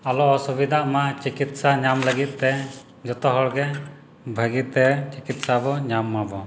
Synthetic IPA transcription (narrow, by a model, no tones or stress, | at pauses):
alɔːsubid̪ʱaʔmat͡ʃikit̪saɲamləɡit̪̚ˀt̪ɛ | d͡ʒɔt̪ɔɦɔɽɡɛ | bʱəɡit̪ɛt͡ʃikit̪sabɔɲamːabɔ